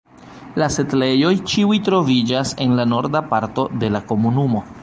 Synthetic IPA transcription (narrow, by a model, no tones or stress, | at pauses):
lase̞tle̞jo̞jt͡ʃiujtɾo̞vid͡ʒase̞nlano̞ɾdapaɾto̞de̞lako̞munumo̞